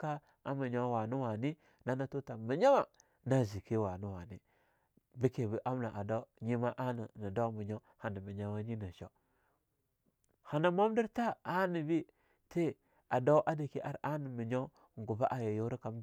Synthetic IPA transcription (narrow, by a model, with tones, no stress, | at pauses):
ka˦ | a˦mi˨ɲo˦wa˨nu˦wa˨ni˦ | na˦na˦to˦ta˨mi˨ɲa˦ma˨ | na˦zi˨ki˦wa˨nu˦wa˨ni˦ | bi˦ke˨bi˦ʔa˦mna˨ʔa˨da˦ɲi˦ma˦ʔa˦na˨na˨da˦mi˨ɲo˦ | ha˨na˨mi˨ɲa˦wa˦ɲi˦na˨ʃo˨ | ha˨na˨ma˦mdi˦ɾta˦a˦ni˨bi˦ | te˦ | a˨da˦wʔa˦di˨ki˦ʔa˦ɾa˦ni˨mi˨ɲo˦ | ŋ˨ɡu˨ba˦ʔa˨ja˨jo˦ɾi˦ka˨m